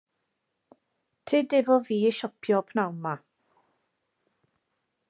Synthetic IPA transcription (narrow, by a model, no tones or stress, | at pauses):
tʰɪːdɪbɔviːəʃɔpʰjɔpʰnawnma